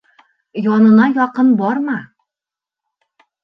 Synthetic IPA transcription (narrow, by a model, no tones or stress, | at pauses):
jɒnɤ̆nɑjɒqɤnbɒɾmɑ